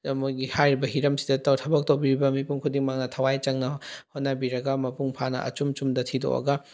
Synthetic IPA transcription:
mojɡihajɾibɐɦiɾɐmsidɐtɐwtʰɐbɐk̚tɐwbiɾibɐmipuŋkʰudiŋmaŋnɐtʰɐwajt͡ʃɐŋnɐhotnabiɾɐɡɐmɐpuŋpʰanɐ̰ʔɐ̰t͡ʃumt͡ʃumdɐtʰido̰ʔɐ̰ɡɐ

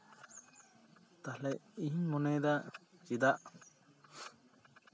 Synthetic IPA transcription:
t̪ahlɛjiɲmɔnɛd̪ad͡ʒid̪aʔ

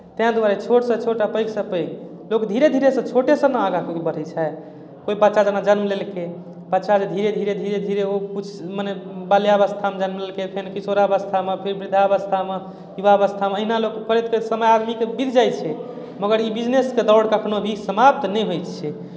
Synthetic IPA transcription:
t̪ɛɦãd̪uaɾet͡ʃʰoʈsə̃t͡ʃʰoʈapəjksə̃pəjk | lokd̪ʱiɾed̪ʱiɾesə̃t͡ʃʰoʈesə̃naaɡãkeibəɽ̤ɛt͡ʃʰɛ | koibətːʃad͡ʒanad͡ʒənmlelke | bətːʃad͡ʒed̪ʱiɾed̪ʱiɾed̪ʱiɾed̪ʱiɾeokut͡ʃʰmənebaljaəβəst̪ʰamed͡ʒənmlelkepʰenkisoɾaəβəst̪ʰamepʰiɾbɾid̪ʱaəβəst̪ʰame | jubaβəst̪ʰameəɦinalokpʰəɾid̪̚kəsəməjad̪mikebit̪d͡ʒaj̪t͡ʃʰɛ | məɡəɾibid͡ʒnesked̪ɔwɽkəkʰnobʱisəmap̚t̪nɛjɦojt̪t͡ʃʰɛ

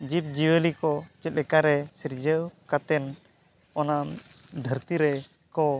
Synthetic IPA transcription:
d͡ʒip̚d͡ʒiwəlikɔt͡ʃɛt̪̚lɛkaɾɛsiɾd͡ʒəwkat̪ɛn | ɔna | d̪ʱəɾt̪iɾɛ | kɔ

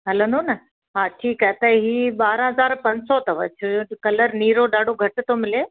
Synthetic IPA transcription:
ɦɐlə̃nd̪onɐ | ɦãːʈʰiːkaɦɛt̪ɐɦɦiːɓaːɾɦɐzaːɾpɐ̃ɲd͡ʑsɔt̪ɐʋɐ̰t͡ɕʰʊkɐləɾniːɾoɗaːɖʱoɡʱɐʈɪ̆t̪omɪleː

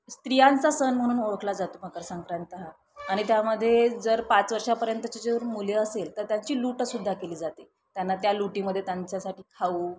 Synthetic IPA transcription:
st̪ɾijant͡sasənm̤əɽ̃uːnoɭəkʰlad͡zat̪omakəɾsaŋkɾant̪əɦa | aɽ̃it̪jaməd̪ʱːjed͡zəɾpat͡sʋəɾʂapəɾjənt̪ət͡ɕed͡zeʋəɾmuleəselt̪əɾt̪jaɲt͡ɕiːluːʈəsud̪ʱːakeliːd͡zat̪e | t̪janːat̪jaluʈiːməd̪ʱːjet̪jaɲt͡ɕjasaʈiːkʰauː

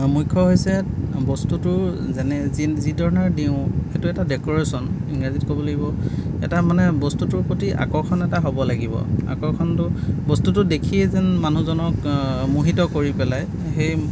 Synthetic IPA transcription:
mujkʰːɔɦojsɛbɔstutʊɹ | zɛnɛzzidʱɔɹnaɹdiʊ̃xetʊɛtadɛkɔɹesɔniŋɡazit̚kobɔlaɡibɔ | ɛ̰tamanɛbɔstutʊɹpotiʔa̰kɔɹkʰɔnɛtaɦobɔlaɡibɔ̰a̰kɔɹkʰɔntʊbɔstutʊdekʰiɛzɛnmanuzɔnɔkmuɦitɔkoɹipɛlaj | xej

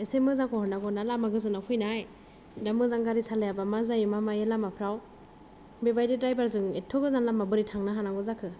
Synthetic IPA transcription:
esemɯzakʰɔhɔnːaɡɔnalamaɡɯzɯnakʰujnaj | damɯzaŋɡaɾisalajabamazajimamajelamapʰɾaw | bebajdidɾajbaɾzɯŋetʰɔɡɯzanlamabɯɾitʰaŋnaɦanaɡɔzakʰɯ

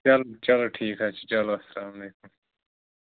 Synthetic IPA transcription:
t͡ʃɐlot͡ʃɐloʈʰiːkɦaːt͡ʃi̥t͡ʃɐloɐsɐlaːmɐleːkum

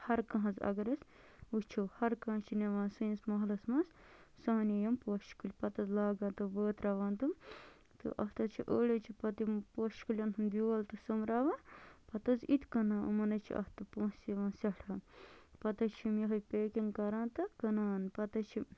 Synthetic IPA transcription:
hɐɾkɐɦɐ̃zɐ̰ɡɐɾɐs | ut͡ʃʰowhɐɾkɐ̃ɐ̃t͡ʃʰineʋãːnsɨinsmɐɦlɐsmɐns | sɐːnʲijɐmpoːʃkulʲpɐt̪ɐzlaːɡãːnt̪ɨbəːt̪ɾɐʋaːnt̪um | t̪ɨ̰ʔɐht̪ɐt͡ʃʰiʔoːlʲɐt͡ʃʰipɐt̪ipoːʃkulʲɐnt̪ʰumd̪ʲiɐlt̪ɨsumɾaːʋãːpɐt̪ɐzit̪kɐnaːʔṵmɐnɐt͡ʃʰḭʔɐ̰ht̪ɨpõːsiʋãːnsɐʈʰɐːnpɐt̪ɐt͡ʃʰimjɐɦɐjʲpeːkʲiŋkɐɾãːnt̪ɐkɐnaːnpɐt̪ɐt͡ʃʰi

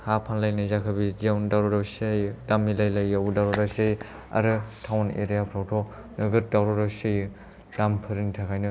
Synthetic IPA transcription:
hapʰanlajnɯzakʰabizawndawɾɔɾawsajdamilajlajawudawɾɔɾasej | a̰ɾɯtʰawnḛɾijapʰɾawtʰɔ | nɯɡɯt̚dawɾɔɾawsej | d̥ampʰɯɾɯnitʰakʰajnɯ

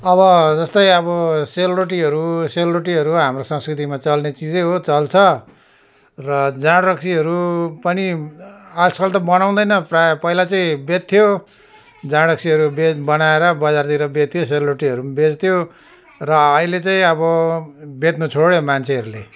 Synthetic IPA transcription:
ʌβʌd͡zʌst̪ʌjʌβʌseluɾoʈ̬iɦʌɾuseluɾoʈ̬iɦʌɾuɦamrosʌ̃ŋskrit̪imat͡sʌlnet͡sid͡zeɦot͡sʌlt͡sʰʌ | rʌd͡zaɽrʌksiɦʌɾupʌni | alskʌlt̪ʌbʌnaw̃d̪ʌjnʌprapʌilat͡saĩbet̪̚t̪ʰijo | d͡zaɽrʌk̚siɦʌɾubebʌnaeɾʌbʌd͡zart̪iɾʌbet̪̚t̪ʰjos̬eluroʈiɦʌɾumbet͡st̪ʰjo | rʌːɦilet͡saĩʌβʌbet̪nut͡sʰoɽjomant͡sʰeʌɾule

